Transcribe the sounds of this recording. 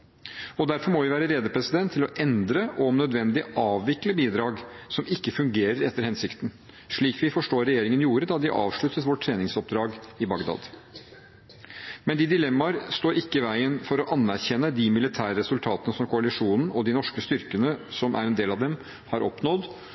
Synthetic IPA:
ɔd̪æɾfɔɾmɔʋɪʋæːɾəɾeːd̪əpʰɾɛsɪd̪ɛnt̪ʰːɪlɔʔɛnd̪ɾəʔɔmnœd̪ʋɛnd̪ɪʔɑːʋʋɪkləbiːd̪ɾɑːɡsɔmɪkːəfʉŋɡeːɾəɾɛt̪ːəɾhɛnsɪkt̪n̩ | ʂɭiːkʋɪfɔʂʈoːɾɛjeːɾɪŋənjuːɾəd̪ɑd̪ɪʔɑ̰ːʋʂɭʉt̪ət̪ʋɔʈʰːɾeːnɪŋsɔp̚d̪ɾɑːɡɪbɑɡd̪ɑ̰ːd̪ | mɛnd̪ɪd̪ɪlɛmːɑɾst̪oːɾɪkːəɪʋæɪənfɔɾɔʔɑnːæɾçɛnːəd̪ɪmɪlɪt̪ʰæːɾɾɛsʉlt̪ʰɑːt̪ənəsɔmkʰʊalɪʂuːnn̩ɔd̪inɔʂkəst̪ʏɾkənəsɔmʔæ̰ɾɛnd̪eːlɑʋd̪ɛm | hɑɾɔpnɔd̪

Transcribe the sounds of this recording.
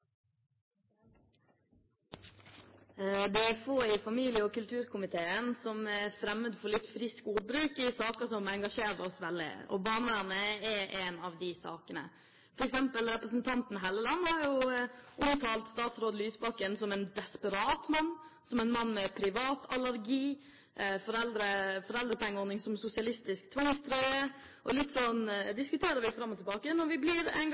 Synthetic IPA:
d̪ɛæɾfoːɪfɑmiːlɪəɔkʉlt̪ʰʉːɾkʰʊmɪt̪ʰeːənsɔmæɾfɾɛmːəd̪fɔɾlɪt̪ːfɾɪskud̚bɾʉːkɪsɑːkəsɔmɛŋɡɑʂeːɾəɔsʋɛlːɪ̰ɔ̰bɑːnənəɛɛːnɑʋd̪ɪsɑ̰ːkənə̰ | fɔɾɛksɛmpəlɾɛpɾəsnt̪ʰɑnt̪n̩ɦɛləlɑnːhɑɾjʊʔʊmt̪ʰɑːlt̪st̪ɑːt̪sɾoːd̪əlyːsbɑkənsɔmɛnd̪ɛspəɾɑːt̪mɑnːsɔmɛnmɑnːmɛpʰɾɪʋɑːt̪ʰɑlæɾɡiː | ʔfɔɾɛld̪ɾəfɔɾɛld̪ɾəpʰɛŋːəɔɾnɪŋsɔmsʊsɪɑlɪst̪ɪskt̪ʰʋɑŋst̪ʰɾœʏə | ʔɔlɪt̪ːsɔnd̪ɪskʉt̪ʰeːɾəɾʋɪfɾɑmːɔt̪ɪlbɑːkənɔɾʋɪblɪɾɛ̰ŋ

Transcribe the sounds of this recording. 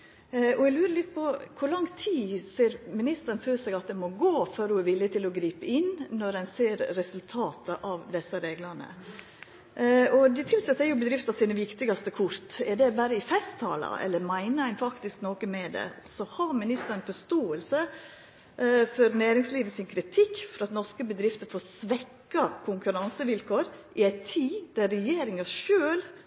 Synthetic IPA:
ɔɛɡlʉːɾəlɪt̪̚ːpʰɔkʰʊɾlɑŋt̪ʰiːseːɾmɪnɪst̪əɾənføːsɛɡɑt̪̚d̪ɛmɔɡoːføɾhʊæɾʋɪlːɪt̪ʰɪlɔɡɾiːpəɪnnɔɾɛnseːɾːɛsʉlt̪ʰɑːt̪əʔɑʋd̪ɛsəɾeːɡlɑnə̰ | ɔd̪ɛt̪ʰɪlsɛt̪ːæɾjʊbəd̪ɾɪft̪ɑsiːnəʋɪkt̪ɪɡɑst̪əkʰʊɾt̪ɛd̪ɛbæːɾəɪfɛst̪ʰːɑ̰ːlɑ̰ɛ̰lːəɾmæɪnəæɪnfɑkt̪ɪsknoːkəmɛd̪ɛ̰sɔhɑmɪnɪst̪əɾənfɔʂt̪oːəlsə | fɔɾnæːɾɪŋsliːʋəsɪnkʰɾɪt̪ʰɪkːfɔɾɑt̪nɔʂkəbəd̪ɾɪft̪əfoːsʋɛkːɑkʰʊŋkʉɾɑnsəʋɪlkʰoːɾʔɪæɪt̪ʰiːd̪̥æɾɾɛjeːɾɪŋɑʂøːl

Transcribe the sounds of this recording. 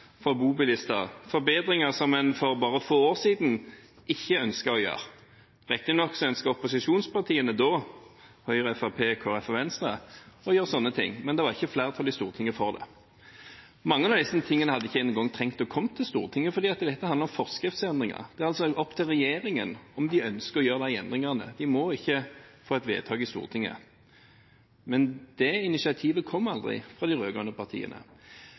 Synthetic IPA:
fɔbuːbɪlɪst̪əʁfɔɾbeːd̪ɾɪŋəʁsɔmːɛnfɔʁbɑːʁəfoːoːʁsiːd̪n̩ | ɪçːəœnskəɾɔjø̰ːɾ | ʁɛkt̪ənɔkːsɔœnskəʁɔpʊsɪʂuːnspɑʁt̪ʰiːənəd̪oː | hœʏʁəɛfɑpʰeːkʰoːɛfɔʋɛnst̪ʁəɔjøːʁsɔnːət̪ʰɪ̰ŋːmɛnd̪ɛʋɑɾʁɪçːəflæːɾʁət̪ʰɑlɪst̪ṵːʁt̪ʰɪŋːəfɔʁd̪ɛ̰ | mɑŋːənɑʋd̪ɛsənt̪ʰɪŋːənəhɑd̪ːəɪçːəɛnːəŋɡɔŋːt̪ʰʁɛŋt̪ɔkʰɔmːt̪ʰɪlst̪ṵːʁt̪ʰɪŋːəfɔɾd̪iːɑt̪d̪ɛt̪ːəhɑnɾɔmfɔʁskʁɪft̪sɛnd̪ʁɪŋə̰ʁd̪ɛæːʁɑlsɔɔpːt̪ʰɪlʁɛjeːɾɪŋənɔmd̪ɪœnskəɾɔjøːʁd̪æɪɛnd̪ʁɪŋɑʁnə̰d̪ɪmɔɪçːəfoːɛt̪ʋḛːt̪ʰɑːɡɪst̪ṵːʁt̪ʰɪŋːə̰ | mɛnd̪̥ɛɪnɪsɪɑt̪ʰiːʋəkʰɔmːɑld̪ʁɪ̰fʁɑd̪ɪʁøːɡʁɑnəpʰɑʁt̪ʰḭːə̰nə̰

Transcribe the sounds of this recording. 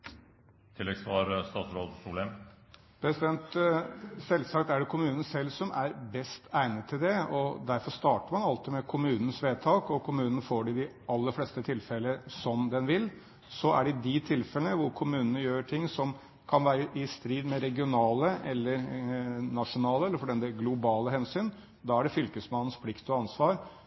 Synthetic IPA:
t̪ʰɪlːɛɡsʋɑɾst̪ɑːt̪sɾoːd̪suːlɛm | pʰɾɛsɪd̪ɛnt̪ | sɛlsɑkt̪æɖɛkʰʊmʉːnn̩sɛlːsɔmʔæɾbɛst̪ʰæɪnət̪ʰːɪld̪ɛɔd̪æɾfɔɾst̪ɑːʈəɾmɑnɑlt̪ɪmɛkʰʊmʉːnən̩sʋeːt̪ʰɑːkɔkʰʊmʉːnənəfoːɖɪd̪ɪ | ɑlːəɾfleːst̪ət̪ʰɪlfɛləsɔmd̪ɛnʋɪlː | sɔʔæ̰ɖɪd̪ɪt̪ʰɪlfɛlənəʋʊɾkʰʊmʉːnənəjøːʈʰɪŋːsɔm | kʰɑnʋæːɾəʔɪst̪ɾiːd̪mɛɾɛɡɪʊnɑːləɛlːəɾnɑʂʊnɑːləɛlːəfɔɾɖɛnəɡlʊbɑːləɦɛnsyːn | d̪ɑːæɖɛfʏlkəsmɑnən̩spʰlɪkt̪ɔɑnsʋɑːɾ

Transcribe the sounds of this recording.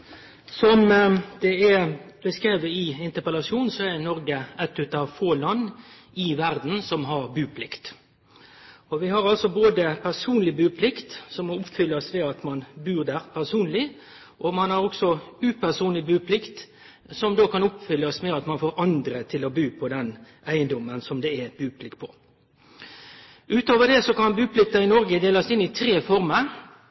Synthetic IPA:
sɔmd̪̥ɛɛbəskʁeːʋəɪɪnt̪əɾpəlɑsjuːnsɔɛɾnɔɾɡəɛt̪ːʉt̪ɑʋfoːlɑnː | ɪʋæʁd̪n̩sɔmɦɑʁbʉːpʰlɪkt̪ | ɔʋɪhɑɾɑlsɔboːd̪əpʰæʁsuːnlɪbʉːpʰlɪkt̪sɔmɔʊpːfʏlːəɔsʋɛɑt̪mɑnbʉːʁd̪æːʁpʰæʁsuːnlɪ | ʔɔmɑnhɑʁɔksɔʉːpʰæʁsuːnlɪbʉːpʰlɪkt̪ | sɔmd̪oːkɑnʊpːfʏlːɔsʋɛɑt̪mɑnfoːɾɑnd̪ɾət̪ʰɪlɔbʉːpʰɔd̪ɛn | æɪənd̪ɔmːənsɔmd̪ɛæɛt̪̚bʉːpʰlɪkːpʰɔ̥ | ʔʉːt̪oːʋəd̪ɛsɔkɑnbʉːpʰlɪkt̪əɪnɔɾɡəd̪eːlɑsɪnːɪt̪ʰɾeːfɔɾməɾ

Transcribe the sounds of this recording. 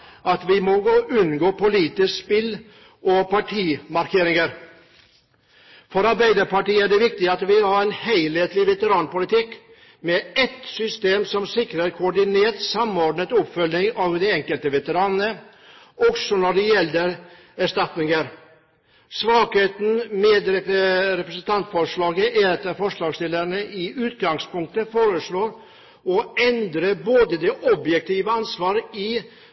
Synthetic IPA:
ʔɑt̪ʋɪmɔɡoʔʉnɡoːpʊliːt̪ɪsspɪl | ʔɔpɑʈʰiːmɑɾkʰeːɾɪŋəɾ | fɔɾɑɾbæɪd̪əɾpɑʈiːəæɖɛʋɪk̚t̪ɪɑt̪ʋɪhɑɾɛɪnhæɪlheːt̪lɪʋɛt̪əɾɑːnpʊlɪt̪ɪk | mɛɛt̪sʏst̪eːmsɔmsɪkɾəɾkʰʊːɖɪneːt̪sɑmoːɖnət̪ɔpfœlnɪŋɑːʋd̪ɛɛŋkəlt̪əʋɛt̪əɾɑːnənə | ɔksɔnɔɖɛjɛlːəɾ | æʂt̪ɑt̪nɪŋəɾ | sʋɑːkheːt̪n̩med̪ɾɛəɾɛpɾəsənt̪ʰɑnt̪fɔɾʂɭɑːɡəʔæɾɑt̪ːəfɔʂɭɑːɡst̪ɪlːəɳəʔɪʔʉːt̪ɡɑŋspʊŋk̚t̪əfoːɾəʂɭoːɾ | ɔɛnd̪ɾəboːd̪əd̪ɛʔɔbjɛk̚t̪ʰiːʋəɑnsʋɑːɾɪ

